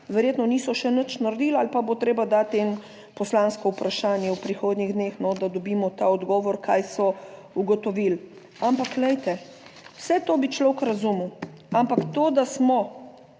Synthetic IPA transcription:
ʋɛɾjeːt̪nɔniːsɔʃɛnət͡ʃnaɾd̪iːlalpabot̪ɾeːbad̪at̪ɛn | pɔslanskɔupɾaʃaːnjɛwpɾixoːd̪niɣd̪neːxnɔd̪ad̪ɔbiːmɔt̪aːɔd̪ɡɔːʋɔɾkʰaːjsɔ | uɡɔt̪ɔʋil | ampaklɛjt̪ɛ | wsɛt̪oːbit͡ʃlowkɾazumu | ampakt̪oːd̪asmɔ

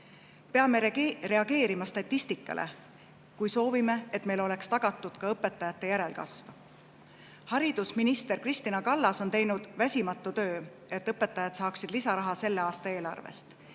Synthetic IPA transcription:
pe̞ɑmeɾe̞ɑɡ̥e̞ːɾimɑst̪ɑt̪ʲːist̪ikːˑɑ̰lʔḛ | kujso̞ːvime̞et̪me̞jlo̞le̞kst̪ɑɡ̥ɑt̪ːˑud̪̥kɑɤpːe̞t̪ːˑɑjɑt̪ːˑe̞jæɾe̞lkɑ̰sv | hɑɾid̪̥usminist̪e̞ɾkrist̪inɑkɑlːɑso̞nt̪e̞jnud̪̥væsʲimɑt̪ˑːut̪ø̞ː | e̞t̪ːɤpːˑe̞t̪ːˑɑjɑd̪sɑːksid̪̥lisɑɾɑɦɑse̞lːe̞ɑːst̪ɑe̞ːlɑ̰rvḛst̪

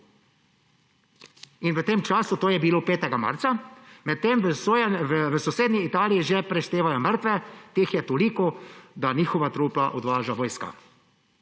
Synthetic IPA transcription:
inʋət̪eːmt͡ʃaːsut̪oːjɛbiloːpeːt̪ɛɡama̰ɾt̪samɛt̪̚ːeməsoʋəsɔseːd̪nʲiːt̪aːlijiʒɛpɾɛʃt̪eːʋajɔməɾt̪ʋɛt̪eːxjɛt̪olikɔd̪aniːxɔʋat̪ɾuːplaʔɔd̪ʋaːʒaʋɔːjska̰

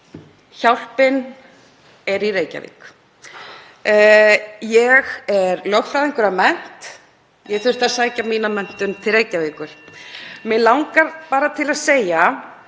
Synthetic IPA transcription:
çawl̥pɪn | ɛɾireːjca̰vɪ̰k | jɛɣɛɾlœwxfɾaðɪŋkʏɾamɛn̥t̪ | jɛɣθʏr̥t̪aðsaːjcamiːnamɛn̥t̪ʏnt̪ʰɪlreːjcavɪkʏl̥mɛlawŋkaɾ̥paːɾat̪ʰɪlaðseːja

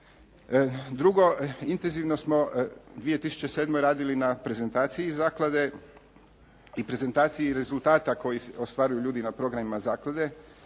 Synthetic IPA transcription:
d̪ɾuɡo̞int̪e̞nziʋno̞smo̞d̪ʋije̞t̪isu̥t͡ɕe̞seːd̪mo̞jɾaːd̪ilinapɾe̞ze̞nt̪aːt̪sijizaːklˠad̪e̞ | ipɾe̞ze̞nt̪aːt̪sijiɾe̞zult̪aːt̪ako̞jiost̪ʋaːɾujuʎuːd̪inapɾo̞ɡɾamimazaːklad̪e̞

